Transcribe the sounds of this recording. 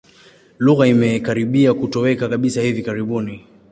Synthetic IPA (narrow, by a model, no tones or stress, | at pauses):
luɣaimɛkaɾiɓiakutɔwɛkakaɓisahivikaɾiɓuni